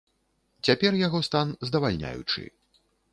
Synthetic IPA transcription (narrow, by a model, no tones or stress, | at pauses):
t͡sʲapʲɛrjaɣɔst̪anzd̪ɐvalʲnʲa̰jṵt͡ʂɨ̰